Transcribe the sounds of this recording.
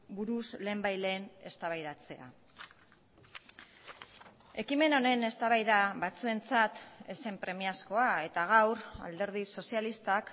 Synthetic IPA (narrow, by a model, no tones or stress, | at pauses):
buɾusle̞ːmbajle̞ːne̞st̪aβajðat͡se̞a̰ | e̞kime̞no̞ne̞ne̞st̪aβajðaβat͡sue̞nt͡sat̪e̞se̞mpɾe̞miasko̞ae̞t̪aɣ̞awra̰ld̪e̞ɾð̞iso̞sijalist̪ak